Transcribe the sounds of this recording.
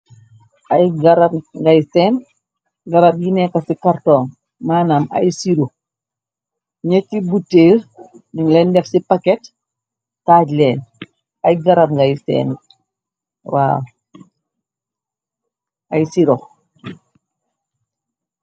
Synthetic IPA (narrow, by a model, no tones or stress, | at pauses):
ʔajɡaɾamŋɡajsɛn | ɡɐɾab̚jinɛkasikaɾtɔːŋ | maːnama̰jsiɾo | ɲɛtːibutːeːɾniŋlɛndɛfsipakɛt | taːɟlɛːn | ajɡaɾamŋɡajsɛ̰ːn | wa̰ːw | ajsiɾo